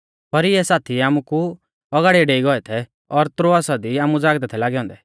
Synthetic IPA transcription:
pɐɾɪɛsaːt̪ʰiaːmuku | ɔɡaːɽiɛɖeːiɡɔɛt̪ʰɛ | ɔɾt̪ɾoasad̪iaːmud͡zaːɡd̪ɛt̪ʰɛlaːɡɛɦɔ̃ːnd̪ɛ

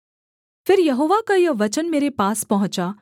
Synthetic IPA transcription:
fɪɾjɐɦoːʋakajɐʋɐt͡ʃənmeːɾepaːspɐɦʊ̃t͡ʃa

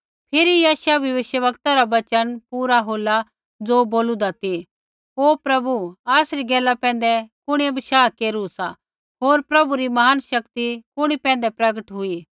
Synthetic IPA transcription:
pʰɪɾijaːʃaʋjɐʋɪʃjəʋɐkt̪aɾaʋɐt͡ʃənpuːɾaɦoːla | d͡zoːboːlũd̪at̪i | ɦoːpɾɐbuaːsɾiɡɛːlapɛ̃ːn̆d̪ɛkʊɽiẽbʱɐʃaːkeːɾusa | ɦoːɾpɾɐbuɾimɐɦaːnʃɐkt̪ikʊɽ̃ipɛ̃ːnd̪ɛpɾɐɡəʈɦʊi

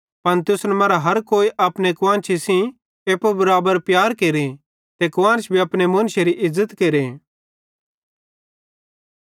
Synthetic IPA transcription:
pɐnt̪ʊsnɐmɐːɾaɦɐɾkoːiʔɐpnekʊʋãːnt͡ʃʰisĩ | eːpobɐɾaːbəɾpjaːɾkeːɾe | t̪ekʊʋãːnt͡ʃʰbʱiɐpnemɐ̃nʃeɾiʔɪzːət̪keːɾe

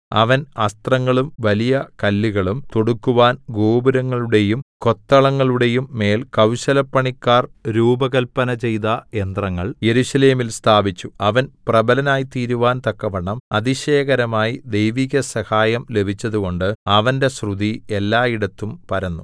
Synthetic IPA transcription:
ɐ̰ʋɐnɐst̪rɐŋːɐɭumʋɐlijɐkɐlːiɣɐɭumt̪oɽukːuʋaːnɡoːbuɾɐŋːɐɭuɽe̞jumko̞t̪ːɐɭɐŋːɐɭuɽe̞jumːe̞ːlkɐwɕɐlɐpːɐɳikːaːrɾuːbɐɣɐlpːɐnɐt͡ɕe̞jt̪ɐe̞nd̪rɐŋːɐɭje̞ɾuɕɐle̞ːmilst̪ʰaːbit͡ɕːuɐʋɐnprɐbɐlɐnaːjit̪iːɾuʋaːnt̪ɐkːɐʋɐɳɐmɐd̪iɕeːɣɐɾɐmaːjid̪e̞jʋiɣʲɐsɐhaːjɐmle̞bʱit͡ɕːɐðuɣo̞ɳɖɨɐʋɐnde̞srud̪ielːaːiɽɐt̪ːumpɐɾɐnːu

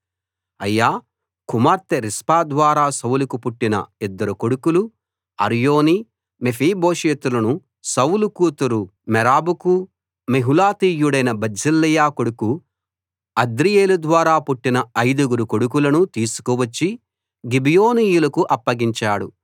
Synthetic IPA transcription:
ɐjːaː | kumaːɾt̪eɾispaːd̪ʋaːɾaːsɐwlukupuʈːinɐ̰id̪ːɐɾukoɽukulu | ɐ̰ɾjoːni | mefʰiːboːʃeːt̪ulɐnu | sɐwulukuːt̪ɐɾumɛɾaːbuku | meɦulaːt̪iːjuɽɐjnɐbɐd͡ʒilːijaːkoɽuku | ɐd̪ɾijeːlud̪ʋaːɾaːpuʈːinɐɐjd̪uɡuɾukoɽukulɐnut̪iːsu̥kuʋɐt͡ʃːi | ɡibijoːniːjulɐkuʔɐpːɐɡiɲt͡ʃaːɽṵ

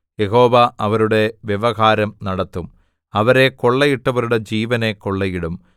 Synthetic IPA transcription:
jeɦo̞ːʋɐʔɐʋɐɾuɽe̞ʋjeʋɐɣaːɾɐmnɐɽɐt̪ːum | ɐʋɐɾe̞ko̞ɭːɐjiʈːɐʋɐɾuɽe̞d͡ʑiːʋɐne̞ko̞ɭːɐjiɽum

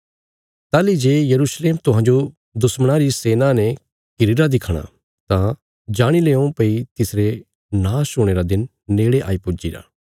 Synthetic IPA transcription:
t̪aːlid͡ʒeːjɐɾusleːmt̪ʊɦãːɲd͡ʒo | d̪ʊsmɽ̃aɾiseːnãnɛ̃ | kɪɾɪɾad̪ɪkʰɽ̃a̰ | t̪ã | d͡ʒaːɽ̃ileːõpɐit̪ɪsɾe | naːsʊːɽ̃eːɾad̪ɪnː | eːɽeʔa̰ːipʊd͡ʒiɾa̰ː

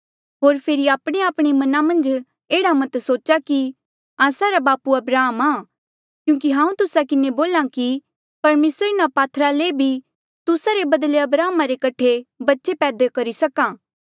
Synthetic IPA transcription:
ɦoːɾpʰeːɾiaːpɽ̃eaːpɽ̃imɐnamɐ̃nd͡ʒ | eːɽamɐt̪soːt͡ʃaki | aːsaɾabaːpuɐbɾaːmaː | kjũːkiɦãːũt̪ʊsakɪneboːlãki | pɐɾmeːsɾɪnapaːt̪ʰɾalebʱi | t̪ʊsaɾebɐd̪leɐbɾaːmaɾekɐʈʰebɐtːʃepɛːd̪ekɐɾisɐkãː

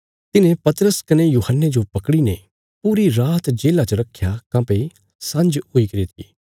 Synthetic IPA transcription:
t̪ɪnẽpɐt̪ɾəskɐnejuːhənːed͡ʒopɐkɽine | puːɾiɾaːt̪d͡ʒeːlat͡ʃəɾɐkʰjakɐ̃ːpe | sɐ̃nd͡ʒʊikɐɾit̪ʰḭː

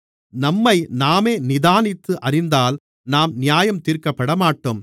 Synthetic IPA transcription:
nɐmːɐɪnaːmeːnɪðaːnɪt̪ːɯʔɐrɪnd̪aːl | naːmnɪjaːjɐmt̪iːɾkɐpːɐɽɐmaːʈːom

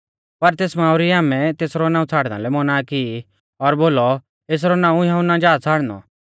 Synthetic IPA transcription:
pɐɾt̪eːsmãːʊɾiaːmɛ̃t̪eːsɾɔnãːũt͡sʰaːɽna̰lɛmɔnaːki | ɔɾboːlɔ | eːs̬ɾɔnãːũjɐɦʊnad͡ʒaːt͡sʰaːɽnɔ̰

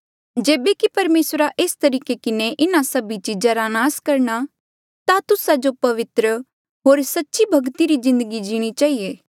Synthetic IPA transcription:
d͡ʒeːbekipɐɾmeːsɾaʔeːst̪ɐɾiːkekɪneʔɪnasɐbit͡ʃid͡ʒaɾanaːskɐɾɽ̃a | t̪at̪ʊsad͡ʒopɐʋɪt̪ɾə | ɦoːɾsɐtːʃibʱɐɡt̪iɾizɪ̃nd̪əɡid͡ʒiːɽ̃it͡ʃaːɦijeː

